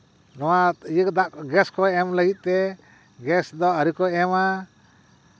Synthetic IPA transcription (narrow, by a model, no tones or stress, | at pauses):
nɔwajəkd̪aʔɡɛskɔɛmləɡit̪̚t̪ɛ | ɡɛsd̪ɔəɾikɔɛma